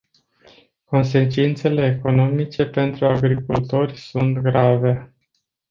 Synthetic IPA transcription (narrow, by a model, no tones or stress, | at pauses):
ko̞ns̬e̞t͡ʃint̪se̞le̞ːko̞no̞mit͡ʃe̞pe̞nt̪ɾuaɡɾikult̪o̞rʲsunt̪ɡɾave̞